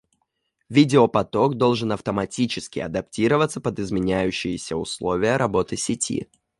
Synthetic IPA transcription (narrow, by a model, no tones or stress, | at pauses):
vʲidʲɪopɐt̪o̞kd̪o̞lˠʐɨnɐft̪əmɐtʲit͡ɕɪskʲɪ̰ɐ̰d̪ɐptʲiɾəvət̪səpəd̪ɪzmʲɪnʲæjʉɕːɪjɪsʲəʊ̰slˠo̞vʲɪjəɾʔɐbo̞t̪ɨsʲɪtʲʰḭ